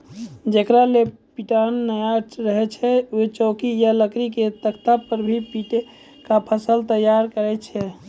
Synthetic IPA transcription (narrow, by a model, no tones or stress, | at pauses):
d͡ʒekɾalepiʈanːəjaɾəɦɛt͡ʃʰɛot͡ʃɔːkijaləkɾiket̪əkt̪apəɾbʱipiʈ | kapʰəsəlt̪əjːaɾkəɾɛt͡ʃʰɛ